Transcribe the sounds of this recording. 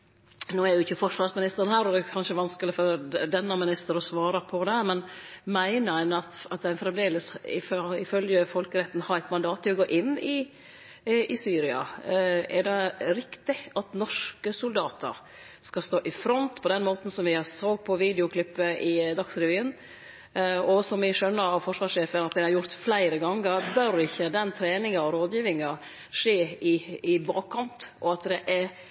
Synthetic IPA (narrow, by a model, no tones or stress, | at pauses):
nuːæɾjʊɪçːəfɔʂʋɑɾsmɪnɪst̪əɾənhæːɾɔd̪ɛkʰɑnʂəʋɑnskəlɪfɔɾd̪ɛnːəmɪnɪst̪əɾɔsʋɑːɾɑpʰɔd̪ɛmɛnmæɪnəɾæɪnɑt̪ɑt̪̚d̪æɪnfɾɛmd̪eːləsɪ̰fɪfœljəfɔlkəɾɛt̪n̩hɑɾæɪt̪mɑnd̪ɑːt̪ːɪɔɡoːʔɪnːɪ | ʔɪsyːɾɪɑ̰ɛɖɛɾɪkt̪ɪɑt̪nɔʂkəsʊld̪ɑːt̪ʰə̰ɾ | skɑst̪oːʔɪfɾɔnt̪pʰɔd̪ɛnmoːt̪n̩sɔmʋɪɑsoːɡ̪̚pʰɔʋiːd̪ɛʊkʰlɪpːəʔɪd̪ɑksɾɛʋyːən | ɔsɔmʋɪʂœnːəɾɑfɔʂʋɑːʂeːfənɑt̪̚d̪ɛnhɑɾjʊɾt̪flæɪɾəɡɑŋːəɾbœɾɪçːəd̪ɛnt̪ʰɾeːnɪŋɑɔɾoːd̪jiːʋɪŋɑ | ʂeːɪɪbɑːkkʰɑnt̪ʔɔɑt̪d̪ɛʔɛɾ